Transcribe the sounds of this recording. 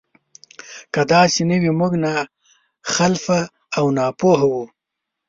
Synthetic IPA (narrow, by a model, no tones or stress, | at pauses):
kad̪ɑsɪnəwimuɡna | xalfaː | wnɑpoɦawu